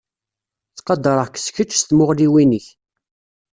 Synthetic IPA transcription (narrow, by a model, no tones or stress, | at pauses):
θqɑd̪əɾˤəʁkə̥sçət͡ʃːst̪mʊʁliwinəç